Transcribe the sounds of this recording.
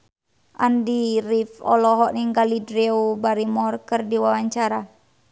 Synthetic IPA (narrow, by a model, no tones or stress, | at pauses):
ʔa̰ndiɾifɔ̰lɔɦɔʔniŋɡalidɾiubaɾimɔrkɨrdiwawaɲt͡ʃaɾa